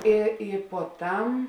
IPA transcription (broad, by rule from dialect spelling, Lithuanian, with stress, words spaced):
ˈɪ ˈɪ puɔˈtɐm